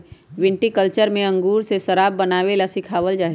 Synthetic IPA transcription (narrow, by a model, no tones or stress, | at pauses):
ʋɪ̃ɳʈikəlt͡ʃəɾmẽə̃ŋɡuːɾsesəɾaːbːənaːʋelasɪkʰaːʋəld͡ʒaːɦ